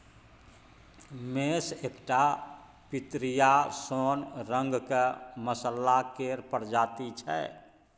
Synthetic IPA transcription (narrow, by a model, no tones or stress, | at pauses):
mesekʈa | pit̪ɾijasonɾəŋɡkeməsəlːakeɾpəɾd͡ʒat̪it͡ʃʰɛ̰